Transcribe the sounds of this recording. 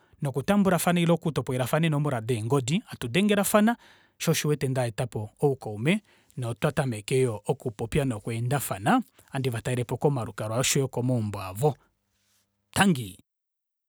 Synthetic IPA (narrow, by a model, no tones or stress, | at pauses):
nɔkutambuɾafanailɔkutɔpɔɛɾafanɛnɔmɔɾadɛŋɡɔdiatudɛŋɡɛɾafana | ʃɔʃiwɛtɛndaɛtapɔːukɔumɛ | nɔtwatamɛkɛjɔʔɔkupɔpianɔkwɛndafana | andivataɛɾɛpɔkɔmaɾukaɾwaʃɔjɔkɔmɔmbwavɔ | taŋɡi